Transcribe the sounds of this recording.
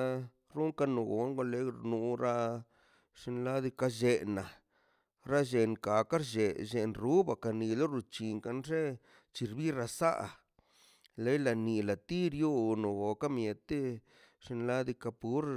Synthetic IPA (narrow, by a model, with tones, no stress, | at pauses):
ɾu˦ŋka˧no˧ɡo̰˨˦ŋɡo˧le˧ɾnu˧ɾa˧ | ʂi˧nla˦d̪i˧ka˧ʒe˧na˨ | ɾa˦ʒe˨nka˨ka˦ɾʒe˨ʒe˨nɾu˦ba˨ka˨ni˨lo˦ɾu˧t͡ʃi˨ŋka˧nʐe˦ | t͡ʃi˧ɾbi˦ɾa˧sa̰˦ʔ | le˦jla˨ni˨la˨t̪i˦ɾjo˦no˨ɡo˨ka˦mje˨t̪e˦ | ʂi˧n˧la˦d̪i˧ka˧pu˦ɾ